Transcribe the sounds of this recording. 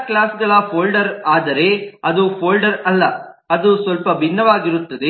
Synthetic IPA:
klaːsɡɐɭɐpʰoːlɖɐɾaːd̪ɐɾe̞ɐd̪upʰoːlɖɐɾɐlːɐɐd̪usʋɐlpɐbʱinːɐʋaːɡiɾut̪ːɐd̪e

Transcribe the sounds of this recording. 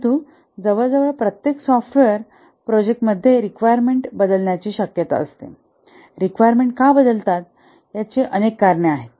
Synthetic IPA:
t̪u | d͡zəʋəɭd͡zəʋəɭpɾət̪jeksɔfʈʋeəɾ | pɾɔd͡ʑek̚ʈməd̪ʱːjeɾikʋajəɾmeɳʈbəd̪əlɳjat͡ɕiːɕəkjət̪a̰ə̰st̪ḛ | ɾikʋajəɾmeɳʈkabəd̪əlt̪at̪̚ | jat͡ɕeʔənekːaɾɳeaɦet̪

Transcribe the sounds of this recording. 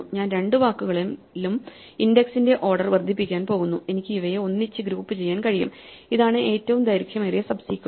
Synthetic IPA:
uɲaːnɾe̞ɳɖɨʋaːkːuɣɐɭ | lum | indeksinde̞ʔo̞ːrɖɐrʋɐrd̪ʱipːikʲːaːnpo̞ːɣunːue̞nikʲːɨiʋɐjeo̞nːit͡ɕːɨɡɾuːpːɨt͡ɕe̞jːaːnkɐɻijṵmiðaːɳɨʔe̞ːtːɐʋumd̪ɐjɾukʰjɐmerijesɐbsiːkʲː

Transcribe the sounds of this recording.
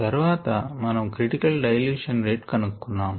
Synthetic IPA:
t̪ɐɾuʋaːt̪ɐmɐnɐmkɾiʈikɐlɖɐjɐljuːʂɐnɾeːʈkɐnukːunːaːm

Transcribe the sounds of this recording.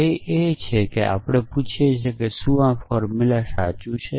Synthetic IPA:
əiet͡ʃʰekeʔa̰pɽ̃eput͡ʃʰijet͡ʃʰekesuãfɔɾmilasat͡ʃut͡ʃʰe

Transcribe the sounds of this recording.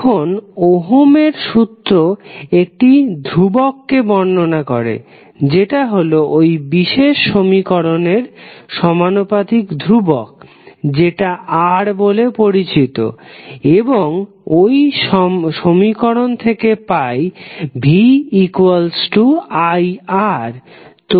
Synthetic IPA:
kʰonoɦomeɾʃut̪ːɾoek̚ʈid̪ʱɾubokːebɔɳːonakɔɾḛ | d͡ʑeʈaɦoloʔojbiʃeʃːomikɔɾoneɾʃɔmanopad̪ʱikd̪ʱɾubok̚ | d͡ʑeʈaʔaɾbolepoɾit͡ɕit̪o̰eboŋ | ojʃʃomikɔɾont̪ʰekepajbʱiikwalsʈuajaɾ | t̪

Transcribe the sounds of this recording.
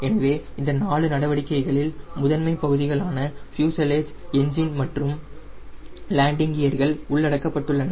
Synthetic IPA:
ɛnɐʋeːɪnd̪ɐnaːɭɯnɐɽɐʋɐɽɪkːɐɪɣɐɭɪlmʊðɐnmɐɪpːɐɣɯðɪɣɐɭaːnɐfjuːsɐleːd͡ʒɛɲd͡ʒɪnmɐʈrɯm | laːɳɖɪŋɡɪjɐɾɣɐɭʊɭːɐɽɐkːɐpːɐʈːɯɭːɐnɐ

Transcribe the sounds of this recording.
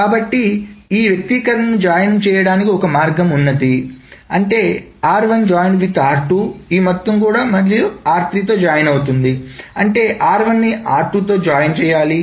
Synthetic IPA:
kaːbɐʈːiiːʋjɐk̚t̪ikɐɾɐnːud͡ʒaːjɐnɐmt͡ʃɛːjɐɽaːnikiɔkɐmaːɾɡɐmunːɐd̪iɐɳʈe̞ː | aːɾʋɐnd͡ʒaːjɳɖʋit̪aːɾʈuiːmɔt̪ːɐmkuːɽaːmɐɾijuaːɾt̪ɾit̪o̞ːd͡ʒaːjɐnɐwut̪und̪iɐɳʈe̞ːʔaːɾʋɐnːiaːɾʈut̪o̞ːd͡ʒaːjɐnt͡ʃɛːjaːli

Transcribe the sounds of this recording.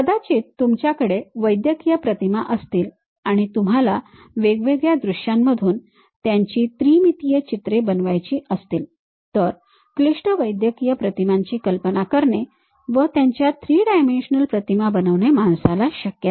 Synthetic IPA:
əd̪at͡ɕiːtt̪ːumt͡ɕjakəɽeʋəjd̪jəkijəpɾət̪imaʔəst̪iːl | aɽ̃it̪um̤ala | ʋeɡʋeɡjad̪ɾuɕjamːəd̪ʱuːn | t̪jaɲt͡ɕiːt̪ɾiːmit̪ijət͡ɕit̪ɾebənʋajt͡ɕiːəst̪iːl | t̪əɾ | kliʂʈəʋəjd̪jəkijəpɾət̪imaɲt͡ɕiːkəlpənakəɾɳe | ʋət̪jaɲt͡ɕjat̪ʰɾiːɖajmenɕənəlpɾət̪imabənəʋɳemansalaɕəkjət̪

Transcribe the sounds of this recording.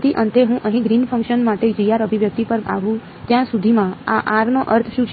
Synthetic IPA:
t̪iʔənt̪eɦũʔəɦĩɡɾinfə̃ŋkʃənmaʈed͡ʒəijaɾəbʱiʋjək̚t̪ipəɾa̰ʋũ | t̪jãsud̪ʱimãa̰ʔaɾnoʔəɾt̪ʰʃũt͡ʃʰ

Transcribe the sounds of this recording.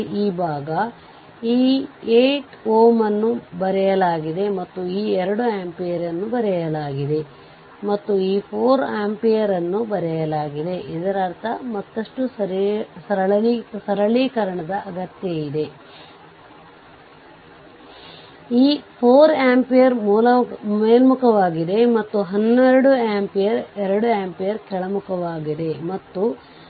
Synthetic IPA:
iːbʱaːɡɐ | iːeːʈoːmɐnːubɐɾɛjɐlaːɡid̪e̞mɐt̪ːuiːɛɾɐɽuaːmpijɐɾɐnːubɐɾɛjɐlaːɡid̪e̞ | mɐt̪ːuiːpʰoːɾaːmpijɐɾɐnːubɐɾɛjɐlaːɡid̪e̞ʔid̪ɐɾɐɾt̪ʰɐmɐt̪ːɐʂʈu | sɐɾɐɭsɐɾɐɭikɐɾɐɳɐd̪ɐʔɐɡɐt̪jɐid̪e̞ | iːpʰoːɾaːmpijɐɾmuːlɐeːlmukʰɐʋaːɡid̪e̞mɐt̪ːuɦɐnːeɛɾɐɽuaːmpijɐɾɛɾɐɽuaːmpijɐɾkɛɭɐmukʰɐʋaːɡid̪e̞mɐt̪ːu

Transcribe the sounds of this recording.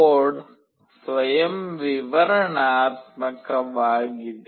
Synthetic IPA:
oːɖ | sʋɐjɐmʋiʋɐɾɐɳaːt̪̚mɐkɐʋaːɡid̪

